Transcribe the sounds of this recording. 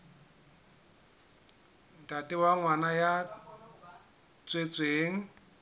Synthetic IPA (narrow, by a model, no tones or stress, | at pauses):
tʼatʼɪwaŋwanaja | t͡sʼwet͡sʼweːŋ̩